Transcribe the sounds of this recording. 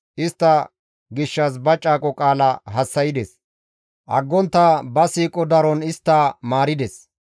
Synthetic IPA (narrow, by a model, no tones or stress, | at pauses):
ʔɪst̪ːɐ | ɡɪʃːɐs̬bɐt͡ʃʼːaːkʼɔkʼaːlɐɦɐsːɐjɪd̪ɛs | ʔɐ̰ɡːɔnt̪ːɐbɐsiːkʼɔd̪ɐɾɔnɪst̪ːɐmaːɾɪd̪ɛs